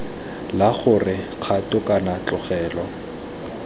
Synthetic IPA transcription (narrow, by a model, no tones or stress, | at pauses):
laχʊrɪ | q͡χʰatʼʊkʼanat͡ɬɔχɛːlɔ